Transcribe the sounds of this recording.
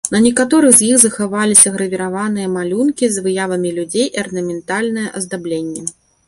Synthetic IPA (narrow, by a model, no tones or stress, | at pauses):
nɐnʲɛkat̪ɔɾɨɣzʲjixzɐxavalʲisʲɐɣɾɐvʲiɾavanɨjɐmalʲunkʲizvɨjavɐmʲilʲud͡zʲejʔɐrnɐmʲɛnt̪alʲnɨjɛʔɐzd̪ablʲenʲːɛ